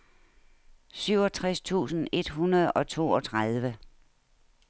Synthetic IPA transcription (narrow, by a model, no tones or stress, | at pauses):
syʊ̰ɒ̽t͡sʰʁast͡sʰṵːsn̩e̝d̥ɦunɐð̞̩ˠɒ̽t͡sʰo̝̰ːɒt͡sʰʁað̞ˠʋə